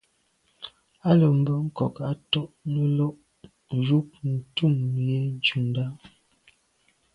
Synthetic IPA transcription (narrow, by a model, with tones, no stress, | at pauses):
a˦lə˨m̩˨bə˦ŋ̩˦kɔ˨ka˨tɔ˦ʔnə˦lɔ˦ʔ | zu˦k̚n̩˨tu˦˨mje˦n̩˦t͡ʃu˨nda˦